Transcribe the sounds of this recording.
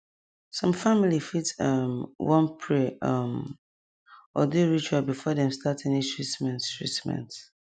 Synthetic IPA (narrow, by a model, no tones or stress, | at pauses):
sɔ̃mfamilifitʌmwʔɔ̃npʰɹɛʌm | ɔ̰duɹit͡ʃabifɔðɛ̃mstatɛ̃nitʰɹismɛ̃nttɹḭtmɛ̰̃nts